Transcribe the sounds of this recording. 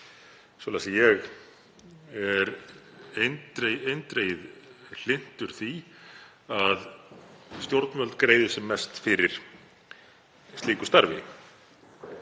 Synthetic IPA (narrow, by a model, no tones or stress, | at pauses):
svɔlasajɛɣ | ɛɾent̪ɾeejnt̪ɾeːjɪðl̥ɪn̥t̪ʏɾ̥θi | að | st̪jowɾt̪nmœlt̪kɾeːjðʏsɛmːɛst̪fɪɾɪɾ̥ | st̪liːkʏ̥st̪aɾvɪ